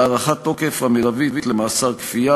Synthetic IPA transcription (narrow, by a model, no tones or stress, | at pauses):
aʁaχat̪ːokefhamelavivitlemaːsaʁkfija